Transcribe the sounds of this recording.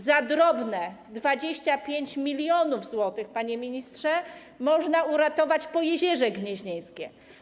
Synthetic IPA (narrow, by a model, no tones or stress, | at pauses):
zad̪ɾɔbnɛd̪vad͡ʑeɕt͡ɕapʲjeɲt͡ɕmʲilʲjɔnuvzwɔt̪ɘxpaɲemʲiɲist̪ʂɛ | mɔʐnauɾat̪ɔvat͡ɕpɔjɛʑɛʐɛɡɲɛʑɲej̃skʲɛ